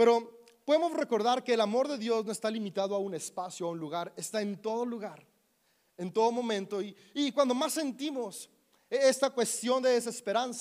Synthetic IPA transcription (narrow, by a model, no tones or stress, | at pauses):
pe̞ɾo̞ | po̞ðemo̞sre̞ko̞ɾðaɾke̞ːlamo̞ɾðe̞ðjo̞zno̞est̪alimit̪aðoaune̞spasjoaunluɣaɾe̞st̪ae̞nt̪o̞ð̞o̞luɣaɾ | e̞nt̪o̞ðo̞mõ̞mẽ̞nt̪o̞iː | kwand̪o̞masːe̞nt̪imo̞s | est̪akwe̞st̪jo̞nd̪eðes̬e̞spe̞ɾansa